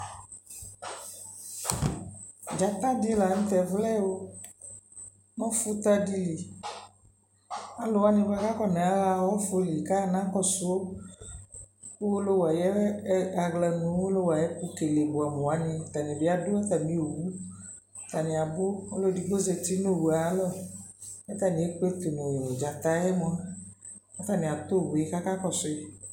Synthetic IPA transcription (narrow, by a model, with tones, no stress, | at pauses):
d͡ʒa˨t̪a˦di˦la˨ŋ̩̃˦t̪ɛ˨vlɛ˦wo˦ | nɔ̃˦fu˦t̪a˦di˦li˨ | a˨lo˨wa˦nɪ̃˦ba˦ka˦kɔ˦nɛ̃˨a˦la˦wɔ˦fo˦li˨ka˦˨nã˦kɔ˦su˦o˦ | ku˦wo˦lo˦wa˨jɛ˦a˨ɡlɛ˨nũ˨˦wo˦lo˦wa˨jɛ˦pu˦ke˨le˨bo˨a˨mõ˨a˨˦nĩ˧˦t̪a˨nĩ˨bɪ˦a˦do˦ɛ˦t̪a˨mĩ˦o˨wu˦ | t̪a˨nĩ˨a˨bʊ˦o˦lo˦di˨bo˦ze˨t̪i˦no˦˨wu˨a˨˦lɔ˦˨ | ɛ˦t̪a˨nĩ˨e˦k͡pe˦t̪u˨nõ˨d͡ʒa˨t̪a˨˦ɛ˦mɔ̃˨a˦ | ɛ˦t̪a˦˨nĩ˨a˨t̪o˦˨bɛ˦ka˦ka˦kɔ˨sʊ˨e˦